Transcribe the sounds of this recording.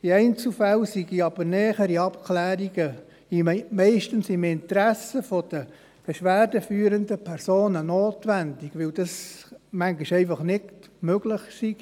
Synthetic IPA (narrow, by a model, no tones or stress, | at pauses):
iɛɪnt͡sl̩fælsiɡ̥iɑb̥əɾnɛːχəɾiɑpkʰlæːɾiɡə | imɛɪʃtənsɪmɪnt̪ɾæsəfod̥ə | b̥eʃʋæːrdəfyːɾəndəpʰɛɾsoːnənoːtʋændiɡ̥ʋɪld̥ɑsmæŋɡiʃɛɪfɑχnɪktmøɡ̥lɪχsiɡ̥